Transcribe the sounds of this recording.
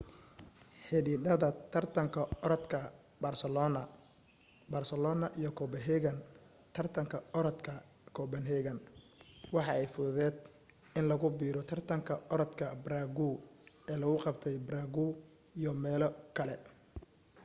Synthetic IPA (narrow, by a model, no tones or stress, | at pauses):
ħɪɖiːɖɐðɐt̪ʰɐrt̪ʰɐŋkʰɐɔɾɔd̪kʰɐ | bɐrsɛlɔnɐ | baːrsɛlɔːnɐʔijɔkʰɔːbɛɦɛɣɐn | t̪ʰɐrt̪ʰɐŋkʰɐɔɾɔt̪kʰɐ | kʰɔːbɐnɦɛːɣɐn | wɑħɑɛjfʊðɐðɛːd̪ | ɪnlɐɣʊbiːɾɔt̪ʰɐrt̪ʰɐŋkʰɐɔɾɔt̪kʰɐbɾaːɡuːɛːlɐɣʊqɑbt̪ʰɛjbraɡuː | ijɔmɛːlɔkʰɐlɛ